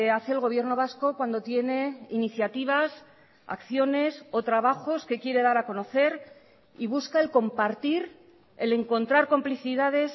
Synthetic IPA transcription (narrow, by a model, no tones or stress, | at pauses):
aθeelɣ̞o̞βje̞ɾno̞β̞asko̞kwand̪ot̪je̞ne̞iniθjat̪iβ̞as | a̰kθjo̞ne̞so̞t̪ɾaβaxo̞ske̞kje̞ɾe̞ðaɾako̞no̞θe̞ɾ | iβ̞uskae̞lko̞mpaɾt̪iɾ | e̞̰le̞ŋko̞nt̪ɾaɾko̞mpliθiðaðe̞s